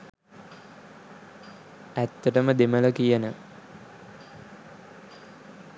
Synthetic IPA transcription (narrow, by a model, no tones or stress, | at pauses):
æt̪ːəʈəməd̪emələkijənə